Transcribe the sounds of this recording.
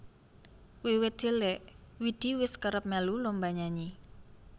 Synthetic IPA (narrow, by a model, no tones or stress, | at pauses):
wiwɪt̪̚d̪̥e̤lɛʔ | wid̪̥i̤wɪskəɾəp̚mɛlulɔmbaɲaɲi